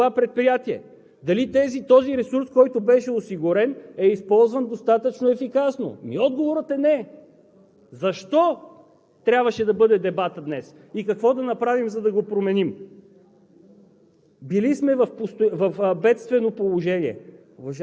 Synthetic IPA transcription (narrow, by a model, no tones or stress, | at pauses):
apɾɛt̪̚pɾijat̪iɛ̰ | d̪ɐlit̪ɛzit̪ɔziɾɛsuɾskɔjt̪ʊbɛʃɛosiɡʊɾɛnɛispɔlˠzvɐnd̪ost̪at̪ət͡ʃnoɛfikasno̰mḭɔd̪̚ɡovoɾət̪ɛnɛ | zɐʃt̪ɔ | t̪ɾʲabvɐʃɛd̪ɐbɤd̪ɛd̪ɛbat̪əd̪nɛs | ikɐkvɔd̪ɐnɐpɾavimzɐd̪ɐɡopɾomɛnim | bilismɛvɐfpost̪ovɐfbɛt̪st̪vɛnopolˠoʒɛniɛ̰ | vɐʒ